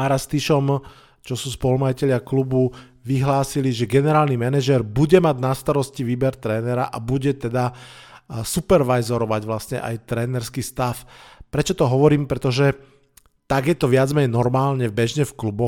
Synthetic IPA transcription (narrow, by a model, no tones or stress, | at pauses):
aɾast̪iʃɔm | t͡ʃɔsuːspɔlumajicɛʎɪaklubu | ʋiɦlaːsiliʒɛɡɛnɛɾaːlnimɛnɛʒɛɾbuɟɛmaɟnast̪aɾɔsciʋiːbɛɾt̪ɾɛːnɛɾaʔabuɟɛt̪ɛd̪a | supɛɾʋajzɔɾɔʋaɟʋlasɲɛ̰ʔa̰jt̪ɾɛːnɛɾskiːst̪afpɾɛt͡ʃɔt̪ɔɦɔʋɔɾiːmpɾɛt̪ɔʒɛ | t̪aɡjɛt̪ɔʋɪad͡zmɛɲnɔɾmaːlɲɛbɛʒɲɛfklubɔ